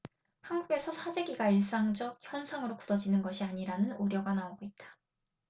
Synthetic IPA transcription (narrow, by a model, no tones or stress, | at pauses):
hanɡuɡe̞sʰʌsʰad͡ʑe̞ɡiɡaiɭs͈aŋd͡ʑʌk̚çjʌnsʰaŋɯɾoku̥dʌd͡ʑinɯnɡʌɕʰiaɲiɾanɯnuɾjʌɡanaoɡoit̚t͈ḁ